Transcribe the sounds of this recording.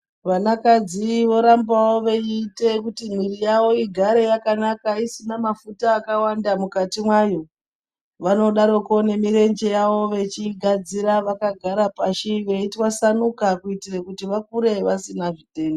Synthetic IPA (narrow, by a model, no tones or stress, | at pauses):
ʋanakad͡ziʋo̞ɾambawoʋe̞iːte̞kutim̤wirijawo̞iɡʱaɾe̞jakanakaisinamafutaːkawandamukatimwajo̞ | ʋano̞ɗaɾo̞ko̞ne̞miɾe̞nd͡ʒe̞jaʋo̞ʋe̞t͡ʃiɡʱad͡ziɾaʋakaɡʱaɾapaʃiʋe̞itwasanukakuitirekutiʋak̚uɾe̞ʋasinaʐite̞ːndo